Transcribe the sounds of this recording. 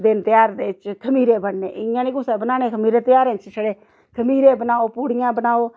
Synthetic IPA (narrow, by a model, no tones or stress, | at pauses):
d̪ɪnt̪ɪjaːɾd̪eːt͡ʃkʰəmiːɾeːbəɳnḛːʔɪãːniːkʊseːbənaːneːkʰəmiːɾeːt̪ɪjaːɾẽːt͡ʃsəɽeː | kʰəmiːɾeːbənaːoːpuːɽɪjãːbənaːoː